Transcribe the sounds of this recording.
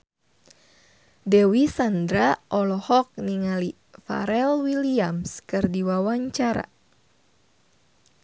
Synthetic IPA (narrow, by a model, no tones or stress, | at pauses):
dɛwisandɾaʔɔlɔhɔk̚niŋali | fa̰ɾɛlwiliamskɨrdiwawaɲt͡ʃaɾa̰